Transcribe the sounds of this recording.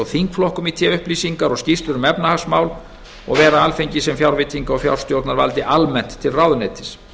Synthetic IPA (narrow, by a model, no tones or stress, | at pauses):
ɔɣθiŋkflɔhkʏmit̪ʰjɛʏhpliːsiŋkaɾɔɣscist̪lʏɾʏmɛpnahasmaːwl | ɔ̰ɣvɛːɾaalfejɲcɪsɛmfjawɾvɪt̪ʰiŋkaɔfja̰wɾ̥st̪jowɾt̪naɾva̰lt̪ɪʔalmɛn̥t̪ʰːɪlrawðʏnɛːjt̪ɪ̥s